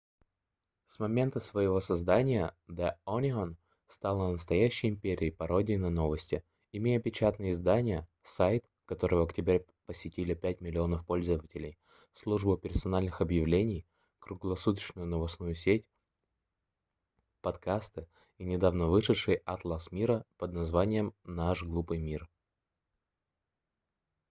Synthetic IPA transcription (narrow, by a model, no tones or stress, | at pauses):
smɐmʲe̞nt̪əsvəjɪvo̞sɐzd̪anʲɪjəd̪ɐonʲɪɦon | st̪ɑlˠənəst̪ɐjæɕːɪjɪmpʲeɾʲɪːpɐɾo̞dʲɪːnɐno̞vəsʲtʲɪ | ɪmʲejəpʲɪt͡ɕat̪nəjəɪzd̪anʲɪjə | sajt̪ | kɐt̪o̞ɾɨjvɐktʲɪbɾʲe | pəsʲɪtʲilʲɪpʲæt̚ʲmʲɪlʲɪo̞nəfpo̞lʲzəvətʲɪlʲɪj | slˠuʐbʊpʲɪrsɐnalʲnɨxɐbjɪvlʲenʲɪj | kɾʊɡlˠɐsut̪ə̥t͡ɕnʊjʊnəvɐsnujʊsʲetʲ | pɐt̪kʰast̪ɨ | inʲɪd̪avnəvɨʂɨt̪ʂɨjʔɐt̪lˠasmʲiɾəpəd̪nɐzvanʲɪjəmnaʂɡlˠupɨjmʲir